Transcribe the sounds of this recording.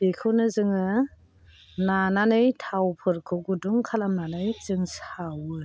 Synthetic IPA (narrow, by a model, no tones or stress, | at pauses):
bikʰɯwnɯzɯŋɯ | nananɯjtʰawpʰɯɾkʰɯɡuduŋkʰalamnanɯjt͡sɯŋsawɯ